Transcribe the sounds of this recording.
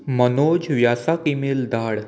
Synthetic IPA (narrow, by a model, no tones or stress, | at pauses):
mənod͡ʑʋjasakimiːld̪aɽ